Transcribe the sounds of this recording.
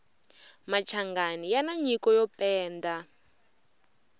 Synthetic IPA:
mat͡ʃʰaŋɡanijanaɲikɔjɔpɛːnda

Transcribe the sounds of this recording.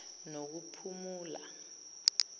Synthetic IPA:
nok̬upʰumuːla̰

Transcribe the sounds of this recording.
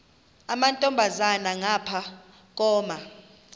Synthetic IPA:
amantʼɔmbʱazanaŋapʰa | k̬ʼɔːma

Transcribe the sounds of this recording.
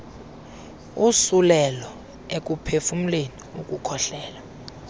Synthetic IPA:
usulɛlɔ | ek̬ʼupʰefum̩leniuk̬ʼukʰɔɬɛːla

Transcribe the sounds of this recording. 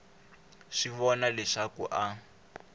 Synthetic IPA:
ʂiβɔnalɛʂakuʔa

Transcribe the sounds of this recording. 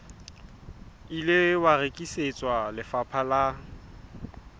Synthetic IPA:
ilɪwarekʼiset͡sʼwalɪfapʰala

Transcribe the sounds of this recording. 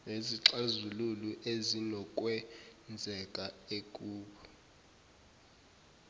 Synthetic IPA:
eziǁazululuʔezinɔkʼwɛnd͡zʱɛkʼaekʼuːɓɔ

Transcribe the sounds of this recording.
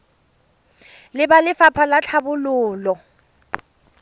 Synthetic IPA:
lɪbalɪfapʰalat͡ɬʰabʊlʊːlɔ

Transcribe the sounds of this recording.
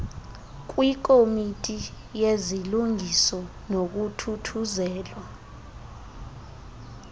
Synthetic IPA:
k̬ʼwik̬ʼomitʼi | jeziluŋʱisɔ | nok̬utʰutʰuzɛːlwa

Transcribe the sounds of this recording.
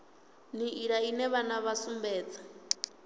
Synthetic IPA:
niiɺainɛβanaβasumbɛːt͡sḁ

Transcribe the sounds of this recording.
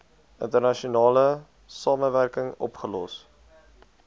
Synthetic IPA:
ʔə̰ntərnɐʃiunɑːlə | sɑːməværkəŋɔ̰pχəlɔs

